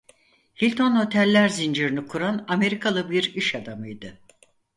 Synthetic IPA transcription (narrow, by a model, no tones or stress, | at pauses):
hilʲt̪ʰo̞nho̞t̪ʰælʲːæɾzind͡ʒiɾinɯkʰuɾaname̞ɾikʰalˠɯbiɾiʃad̪amɯjd̪ɯ